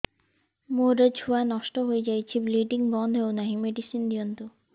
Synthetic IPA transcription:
moɾed͡ʑʱʰuanɔʃʈoɦoed͡ʑajt͡ɕʰibliɖiŋbɔnd̪ʱewnaɦimeɖisind̪ijont̪u

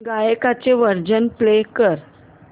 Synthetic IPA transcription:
ɡajekat͡seʋəɾd͡ʑənplekəɾ

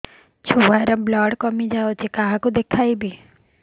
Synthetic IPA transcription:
t͡ʃʰuʋaɾablɔːɽkɔmid͡ʒaot͡ʃʰekaɦãkud̪ekʰaibi

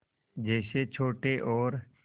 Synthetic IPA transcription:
d͡ʒɛːset͡ʃʰoːʈeʔɔːɾ

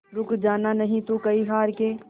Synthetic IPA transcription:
ɾʊkd͡ʒaːnanɐɦĩt̪ũkɐiɦaːɾkeː

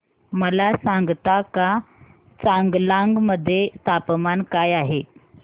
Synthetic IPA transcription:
məlasãŋɡt̪aka | t͡saŋɡlãŋɡməd̪ʱːjest̪ʰapmankajaɦe

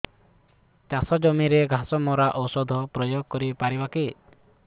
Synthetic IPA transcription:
t͡ʃasɔd͡ʒɔmiɾeɡʱasɔmɔɾaʔɔsɔd̪ʱɔpɾɔjoɡ̚kɔɾipaɾibaki

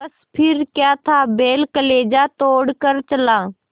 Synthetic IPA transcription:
ɐs | pʰɪɾkjaːt̪ʰaːbeːlkəleːd͡ʒaːt̪oːɽkəɾt͡ʃəlãː

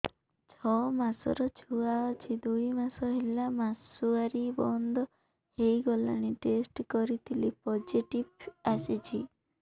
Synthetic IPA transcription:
t͡ʃʰɔmasɔ̰ɾɔt͡ʃʰuaɔt͡ʃʰid̪ujmasɔɦilamasuaɾibɔnd̪ɔ | ejɡɔla̰ɽ̃iʈesʈkɔɾit̪ʰilipɔd͡ʒiʈibasit͡ʃʰi

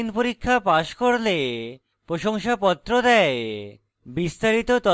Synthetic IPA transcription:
inpoɾikʰːapaʃkoɾle | pɾoʃoŋʃapɔt̪ːɾod̪ɛe | bist̪aɾit̪ot̪ɔ

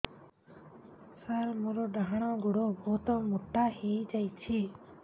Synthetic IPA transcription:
saɾmɔɾɔɖaɦaɽ̃ɔɡuɽɔbʱɔt̪ɔmuʈːahejd͡ʒajt͡ʃʰi

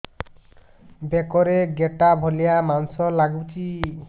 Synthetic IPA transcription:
bekɔɾeɡeʈabʱolijamansɔlaɡut͡ʃi

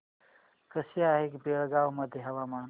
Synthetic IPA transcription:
kɐsijaːɦikbeɽɡaːwmɐd̪ʱeɦɐwamaːn

